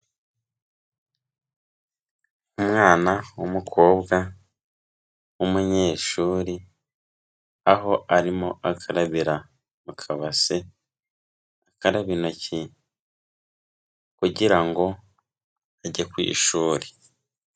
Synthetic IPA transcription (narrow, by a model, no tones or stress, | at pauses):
umŋaːnawumukʰo̞ːbɡa | wumuɲe̞ːʃuːɾi | aɦo̞aɾimoʔakʰaɾaβiɾa | mukʰaβase | akaɾaβinoci | kuɟiɾaŋɡo̞ | aɟakwḭːʃuːɾi